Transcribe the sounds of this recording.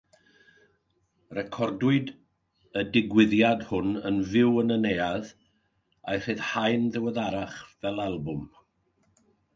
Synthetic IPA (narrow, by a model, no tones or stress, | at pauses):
rɛkʰɔrdwɨd | ədɪɡwɪðjadhʊnənvɪwənənejað | ajr̥ɨð̥hajnðɛwɛðaɾaχvɛlˠalˠbʊm